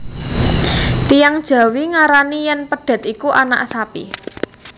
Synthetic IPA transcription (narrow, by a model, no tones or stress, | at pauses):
t̪ijaŋd̥ʒ̥a̤wiŋaɾanijɛnpəɖ̥a̤t̪ikuʔana̰ʔsapḭ